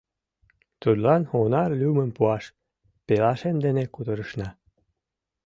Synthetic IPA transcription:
t̪ud̪lɑnonɑrlʲuməmpuɑʃ | pelɑʃend̪enekud̪əɾəʃnɑ

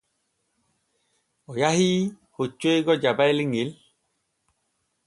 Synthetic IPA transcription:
ɔjahi | hot͡ʃweɡɔd͡ʒabajliŋel

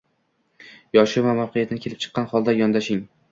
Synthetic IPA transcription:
jɒʃɪvamawqʰɪjat̪ʰɪnɪkʰʲelɪp̚t͡ʃʰɨ̥qːɑnχɒlˠd̪ajɒnd̪aʃɪŋ

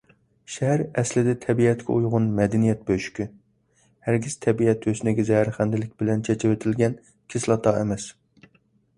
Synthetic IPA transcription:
ʃɛɦæɾɛslɪd̪ɛt̪ʰɛbiɛt̪kʲʰɛujʁʊnmɛd̪ɛnijɛt̪̚bøʃy̥kʲʰy | hæɾɡʲiz̥t̪ʰɛbiɛt̪ʰøsynɪɡʲɛzɛhæɾχænd̪ɪlɪkʲbɪlɛnt͡ʃʰet͡ʃʰɪwet̪ʰɪlɡʲɛn | kʲʰɪslˠɑt̪ʰɑːɛmɛs

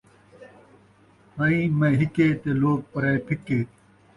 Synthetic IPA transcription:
hɐĩːmẽːɦikeːt̪eːloːk̚pɐɾaepʰikeː

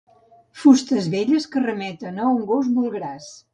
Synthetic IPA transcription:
fust̪əzβeʎəskərəmɛt̪ənəuŋɡozbulˠɣɾas

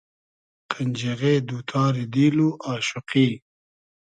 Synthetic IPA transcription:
qʰənʲd͡ʒeɣed̪uːt̪ʰɑːɾid̪iluʔɑːʃʊqi

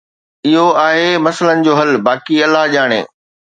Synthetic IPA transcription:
ɪɦoaːɦemɐslənɪ̆d͡ʑoːɦɐlbaːkiɐlaɦʄaːɽ̃ḛ̃ː

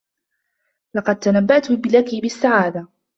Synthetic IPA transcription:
lɑqɑd̪̚t̪anabːaʔt̪ʊbɪlakibɪsːaʕaːd̪a

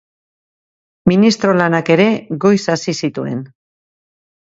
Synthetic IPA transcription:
minist̪ɾo̞lanake̞ɾe̞ɣo̞jsasisit̪ue̞̰n

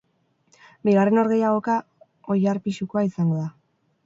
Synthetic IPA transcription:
biɣ̞are̞no̞ɾɣe̞jaɣ̞o̞ka | o̞jaɾpiʃukoaisaŋɡo̞ða

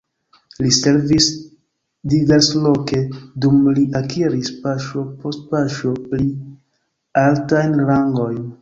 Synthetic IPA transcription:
lise̞ɾvis | diɡaslo̞ke̞dumliʔakʰiɾispaʃo̞po̞st̚paʃo̞pli | altajnlaŋɡo̞jn

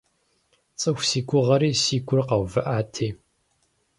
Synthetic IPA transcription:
t͡sʼɨxʷsiːɡʷʊʁɐɾiːsiːɡʷʊrqɐwvɐʔaːtʰeː

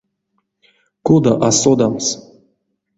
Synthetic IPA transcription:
kod̪aʔasod̪ams

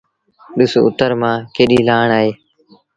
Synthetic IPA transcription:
ɗʊso̰ːʊt̪əɾmãːkeːɗiːlaːɳaːɦeː

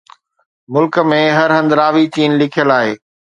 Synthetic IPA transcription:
mʊlkə̆mẽɦɐɾɦə̃nd̪ɾaːʋit͡ɕiːnlɪkʰijəlaːɦeː

